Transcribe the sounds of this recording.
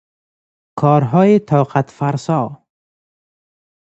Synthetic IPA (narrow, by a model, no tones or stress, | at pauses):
kʰɔːɾɦɔːjet̪ʰɒːqat̪faɾsɔː